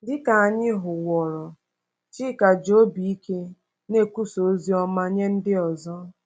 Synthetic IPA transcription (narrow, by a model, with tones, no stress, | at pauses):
dɪ˦ka˨a˨ɲɪ˦ɦʊ˨wɔ˨ɾɔ˨ | t͡ʃi˦ka˨d͡ʒo˦bi˨i˦ke˦ | ne˦ku˦so˨˦zi˦ɔ˦ma˦ɲe˦n̩˦dɪ˦ɔ˨zɔ˦